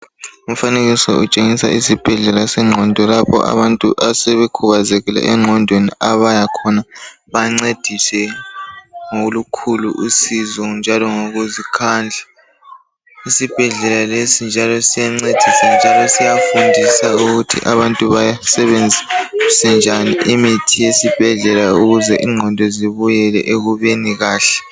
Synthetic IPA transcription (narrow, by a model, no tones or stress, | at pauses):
um̩faneɣisɔ̰ut͡ʃʼeŋisa̰ʔisib̥ʱɛɮɛlasɛŋ͡ǃʱɔndʱɔlapʰɔ̰ʔa̰βantʼuʔasɛβɛkʰuβazɛɣɛla̰ʔɛŋ͡ǃʱɔndʱweniaβajakʰɔna | βaŋ͡ǀed̥ʱisɛ | ŋolukʰuluʔusizɔnd͡ʒʱalɔŋoɣuzikʰaːnd͡ɮʱa | isib̥ʱɛɮɛlalesind͡ʒʱalɔsijaŋ͡ǀed̥ʱisand͡ʒʱalɔsijafundʱisauɣutʰḭʔaβantʼuβajasɛβend͡zʱiusɛnd͡ʒʱaniʔimitʰijesib̥ʱɛɮɛlauɣuzɛʔiŋ͡ǀʱɔndʱɔziβujɛlɛ̰ʔeɣuβeniɣaːɬɛ̥